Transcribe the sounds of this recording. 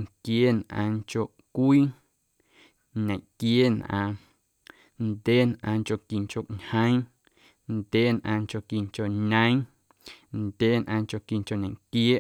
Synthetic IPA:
ŋkje˦nʔã̰ː˧ŋko˧˨ʔkʷiː˦ | ɲẽ˨ʔkjeː˦nʔã̰ː˧ | ndʲe˦nʔã̰ː˧ŋko˧˨ki˨ŋko˨ʔɲhə̃˦j̃ | ndʲeː˦nʔã̰ː˧ŋt͡ʃo˧˨ki˨ŋko˨ɲə̃˦j̃ | ndʲeː˦nʔãː˧ŋko˧˨ki˧˨ŋko˨ɲẽ˨ŋkjeː˦

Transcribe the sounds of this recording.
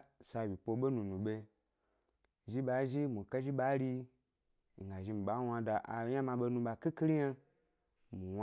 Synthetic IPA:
sa˧wi˨po˧ɓe˦nũ˨nũ˨ɓe˧ | ʒi˦ɓa˨˦ʒi˦mu˨ka˦ʒi˦ɓa˨˦ɾi˧˨ | ɡa˨ʒi˧m̩˨ɓa˨˦wa˧da˨ʔa̰˨˦ja˦mã˧ɓe˧˦nũ˧ɓa˧ki˦ki˦li˦ja˦ | mu˨w

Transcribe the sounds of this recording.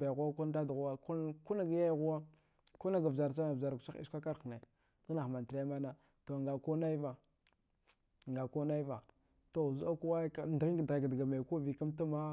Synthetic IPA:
ba˨ɣu˦a˦ku˦n˦da˦dɣu˦wa˦ku˦ku˦na˦ɡa˨˦ja˦jɣu˦wa˦ | ku˦na˦ɡa˨vza˨ɾt͡ʃa˦na˨va˨ɾkt͡ʃa˦ḭ˦a˦ka˦ɾna˨ | ɡa˦na˨ma˨tɾa˦ma˦na˦ | to˨ŋɡa˨ku˦na˦i˦va˨ | ŋɡa˨ku˦na˦i˦va˨ | to˨zu˦a˦ku˦wa˦ka˦ndɣi˦ŋɡdɣa˨ɡdɡa˨ma˨ku˦vi˨ka˦mta˦ma˦

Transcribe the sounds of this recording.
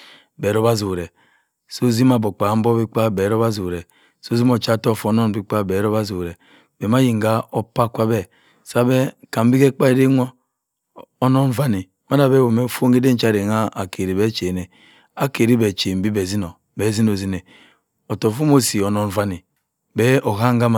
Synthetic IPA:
be˨ɾo˦ba˦zu˨ɾe˨ | so˦zi˦ma˨bo˨k͡pa˨m̩˦bo˦bi˦k͡pa˦be˨ɾo˦ba˦zu˨ɾe˨ | so˦zi˦mo˨t͡ʃa˦to˦˨fo˦no˦n˨bi˦k͡pa˦be˨˦ɾo˦ba˦zu˨ɾe˨ | be˨ma˦ji˨ŋ˨ɡa˦o˦pa˦kʷa˦bɛ˦ | sa˦be˦ka˨m̩˦bi˦ke˦k͡pa˦e˦de˦ŋʷo˦ | o˦no˦n˦va˦ni˨ | ma˦da˨be˦wo˨me˦˨fo˦ŋ˦ɡe˦de˦n̩˦t͡ʃa˦˨ɾe˨ŋa˦a˨ke˨ɾi˨be˦t͡ʃe˨ne˨ | a˦ke˨ɾi˦be˨t͡ʃe˨m̩˨bi˦be˨zi˦no˨ | be˨zi˦no˨zi˦ne˨ | o˨to˨fu˦mo˦si˨o˨no˦n˦va˦ni˨ | bɛ˦o˨ɦa˦ŋ˦ɡa˦ma˨

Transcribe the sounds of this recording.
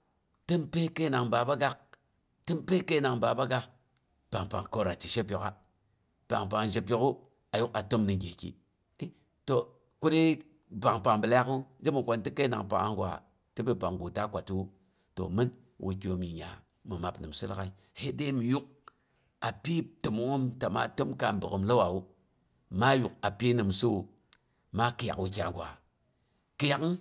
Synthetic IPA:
tɨ˦mpe˦ke˦na˨ŋba˨ba˦ɡa˦k̚ | tɨ˦mpe˦ke˦na˨ŋba˨ba˦ɡa˦ | pa˨ŋpa̰˨ŋko˦ɾa˨t͡ʃi˨ʃe˦pjo˨ka˦ | pa̰˨ŋpa˨ŋd͡ʒe˨pʲi˦ku˦ | a˨ju˦ka˨to˦mnɨ˨ɡʲe˨kḭ˨˦ | to˨ | ku˦ni˦ | pa˨ŋpa˨ŋbɨ˨la˦ku˦d͡ʒe˦mu˨kʷo˨nti˦ke˦na̰˨ŋpa̰˨ŋa̰˦ŋɡwa̰˨ | tɨ˦bi˦ba˨ŋɡo˨ta˦kʷa˨tu˦ | to̰˨mɨ˦n | wʔṵ˨kʲi˨o˨mi˨ɲa̰˨ | mɨ˨ma˨pnɨ˨msu˦la˦ka˦i˦ | he˦de˦mi˨ju˦k̚ | a˨pi˦tɨ˨mu˦o˦mta˨ma̰˦to˦mka˨m˨bɨ˨kɨ˨mlo˦wa˨wu˦ | ma˦ju˨ka˨pi˦nɨ˨msu˦˨ | ma˦kɨ˨ja̰˨kwu˦kʲa̰˨ŋɡʷa̰˨ | kɨ˦ja˨k

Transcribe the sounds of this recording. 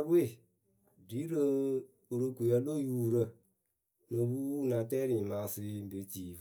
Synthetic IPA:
bwe˦˨ | di˨˦ɾə˦ | u˧ɾə˧kʷu˨ə˧˦lo˦˨juː˦˨ɾə˧˨ | nə̃˧bu˦nã˨tɛː˦ɾĩ˨mã˨˦si˧˦be˨ti˨

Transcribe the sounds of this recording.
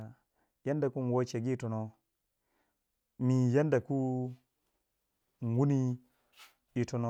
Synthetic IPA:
ja˦nda˨ku˦n˨wo˦t͡ʃe˨ɡi˦˨to˨no˨ | mi˨ja˦nda˨ku˦˨ | wu˦ni˦ | i˨to˨no˦˨˦

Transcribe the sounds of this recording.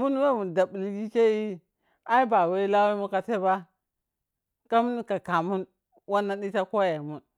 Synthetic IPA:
mu˦n˦we˦˨mu˨da˨bli˦ɡi˦ke˦i˦ | a˦i˦ba˨we˦i˦la˦we˦mu˦ka˨te˦ba˦ | ka˦mu˦n˦ka˨ka˨mu˦n | wa˦nːa˦ɗi˦ta˦ko˦je˨mu˦n

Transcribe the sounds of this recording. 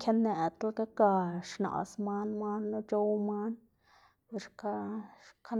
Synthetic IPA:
kʲja˦ne˨t̪a˦lka˦ka˧ʃna̰˨sma˦nma˦nlo˦t͡ʃo˦wma˦n | bu˧ʃka˦kʰa˦

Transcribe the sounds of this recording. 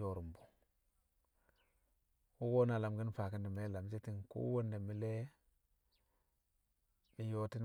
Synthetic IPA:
o˨ɾu˨mbu˨ | wu˦ɡo˦na˨la˨mɡi˦nfa˨ki˨ndi˨me˦la˨m˦se˦ti˨ŋkṵ˦wo˦nde˨mi˦le˦ | mi˨jo˨ti˦n

